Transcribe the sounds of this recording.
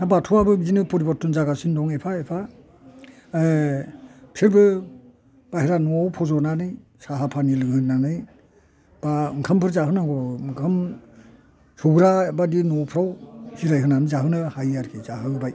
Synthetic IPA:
abatʰuabɯbzinɯpɔɾibɔt̚ːunzaɡasindɔŋepʰaepʰa | pʰeɾbɯ | b̥ahiɾanɔawpʰɔzɔnanɯj | saɦapʰanilɯŋhɯnanɯj | baŋkʰampʰɯɾzaɦɯnaɡɔŋkʰam | suɡɾabadinɔpʰɾawhiɾajɦɯnanɯzaɦɯnɯhajaɾkʰizaɦɯbaj

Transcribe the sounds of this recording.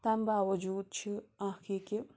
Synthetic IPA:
t̪ambaːwɐd͡ʒuːd̪̚t͡ʃʰiãːkʰike

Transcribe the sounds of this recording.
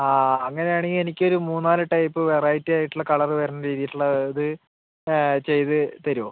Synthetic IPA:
aːɐŋːɐne̞jaːɳeŋɡilenikʲːo̞ɾumuːnːaːlɨʈɐjpːɨʋeraːjitːɨaːjiʈːuɭːɐkɐɭɐrɨʋɐːɾɐnːɐɾiːðijiʈːuɭːɐðɨ | t͡ɕe̞jt̪ɨt̪ɐɾoː

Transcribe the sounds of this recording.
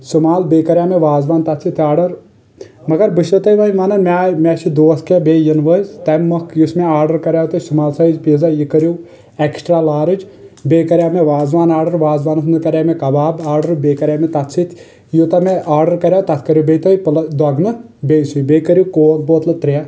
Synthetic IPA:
sumaːlbeːkɐɾʲjaːmeʋaːzʋaːnt̪ɐt̪t͡sʰit̪ʰʲaːɾɖɐɾ | mɐɡɐɾbɨʃɐt̪ɐjʋɐjʋɐnɐmʲamʲɛt͡ʃʰid̪oːskebeːjɐnʋəzt̪ɐmːɐkjusmeaːɾɖɐɾkɐɾʲjaːwt̪ɐsumaːlsɐid͡ʒpizajikəɾʲju | eksʈɾaːlaːɾɨd͡ʒbʲeːkɐɾʲjaːmeʋaːzʋaːnaːɾɖɐɾʋaːzʋaːnɨsnɨkɐɾʲjaːmekɐbaːbaːɾɖɐɾbeːkɐɾʲaːmet̪ɐt̪t͡sʰit̪ʰʲ | jut̪ɐmeʔaːɾɖɐɾkɐɾʲjaːwt̪ɐt̪ʰkɐɾjubʲeːt̪ɐjpɨlɐd̪wɐɡnɨbʲeːsujbeːkɐɾʲjukoːl̚boːt̪lɨt̪ɾija

